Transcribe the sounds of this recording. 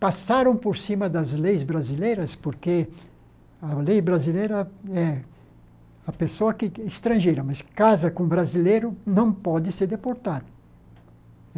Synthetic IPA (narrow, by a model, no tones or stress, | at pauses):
pasaɾɐ̃w̃poɾsĩmɐd̪ɐzlejzbɾazilejɾɐspoɾke | ɐlejbɾazilejɾɐɛ | ɐpesoɐkɪɪst̪ɾɐ̃ʒejɾɐmɐskazɐkõbɾazilejɾʊnɐ̃w̃pɔd̪ɪseɾd̪epoɾt̪ad̪ɐ